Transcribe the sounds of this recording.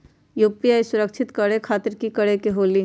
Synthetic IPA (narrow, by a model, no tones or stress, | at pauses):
joːpijaːisʊɾəkʃʰɪt̪kəɽekʰaːt̪ɪɾkikɐɽekeɦoːli